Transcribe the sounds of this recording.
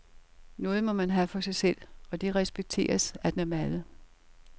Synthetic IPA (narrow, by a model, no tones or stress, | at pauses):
nɔ̽ːð̞̩ˠmɒ̽mænɦæfɒ̽sɑ̈ɪsel̰ɒ̽d̥e̝ʁɛsb̥eɡ̥̚t͡sʰe̝̰ːɐsæd̥enæɐmælə